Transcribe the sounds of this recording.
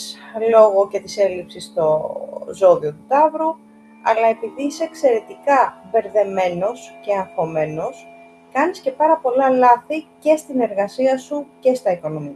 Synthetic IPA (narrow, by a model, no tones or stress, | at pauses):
slo̞ɣo̞ce̞t̪ise̞lipsist̪o̞zo̞ðio̞t̪ut̪ɐvɾu | ɐ̰lɐe̞piðiiseːkse̞ɾe̞t̪ikɐve̞ɾðe̞me̞no̞sce̞ɐfo̞me̞no̞s | kɐnisce̞pɐɾɐpo̞lɐlɐθice̞st̪ine̞ɾɣɐsiɐsuce̞st̪ɐiko̞no̞miɐ